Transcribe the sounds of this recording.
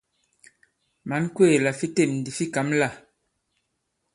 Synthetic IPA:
ma˨˦nkweː˦˨la˨fi˦te˦˨mn̩˨di˨fi˦ka˨˦mla˦˨

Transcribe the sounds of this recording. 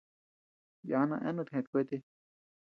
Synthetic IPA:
ja˨˦nã̰˧ʔɛ̰˦nũ˧t̪ʰhẽ˨t̪̚kʷe˦t̪e˦

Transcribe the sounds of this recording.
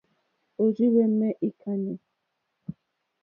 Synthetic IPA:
o˨ɾi˦wɛ˦mɛ˦ʔi˨kʰa˦ne˨

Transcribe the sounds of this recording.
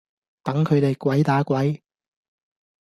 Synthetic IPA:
t̪ɐ˨˥ŋkʰɵ˨˧ɥt̪e˨jkʷɐ˨˥jt̪aː˨˥kʷwɐ˨˥j

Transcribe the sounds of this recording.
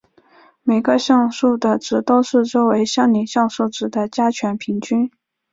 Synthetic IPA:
me˨˩ɪɡə˧ɕjɑ˥˧ŋʂu˥˩d̪ə˩ʈ͡ʂɻ̩˧˥t̪o˥ʊʂɻ̩˥˩ʈ͡ʂo˥ʊwe˧˥ɪɕjɑ˥˩ŋni˨˩ɕjɑ˥˧ŋʂu˥˩ʈ͡ʂɻ̩˨˩d̪ə˦t͡ɕja˥t͡ɕʰɥɛ˧˥npʰi˧˥ŋt͡ɕy˥n

